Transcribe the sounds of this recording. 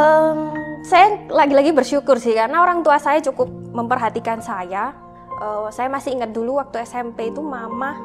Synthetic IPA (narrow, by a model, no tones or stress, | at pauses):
ʔəmsajalaɡilaɡibərʃukʊrsɪhkaɾənaoɾaŋt̪uasajat͡ʃukʊp̚məmpərɦat̪ikansaja | ʔəːsajamasɪiŋət̪̚duluwak̚t̪uɛsɛmpeit̪umama